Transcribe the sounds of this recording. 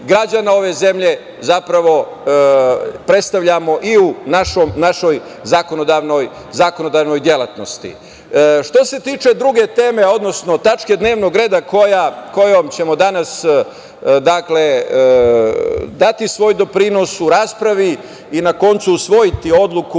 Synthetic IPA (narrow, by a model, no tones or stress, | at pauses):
ɡɾad͡ʑanao̞ʋe̞ze̞mʎe̞ | zapɾaʋo̞ | pɾe̞t̪st̪aʋʎamo̞ʔiunaʃomnaʃo̞j | zakonod̪aʋno̞j | zakono̞d̪aːʋno̞jd̪je̞lat̪no̞st̪ḭ | ʃt̪o̞se̞t̪iːt͡ʃe̞d̪ɾuɡe̞t̪e̞ːme̞o̞d̪no̞sno̞t̪at͡ʃke̞d̪ne̞ːʋno̞ɡɾe̞ːd̪akʰojako̞jomt͡ɕe̞mo̞d̪anas | d̪akle̞ | d̪at̪isʋo̞ːjd̪o̞pɾino̞suɾaːspɾaʋi | inako̞nt̪suusʋo̞jit̪io̞d̪lˠuku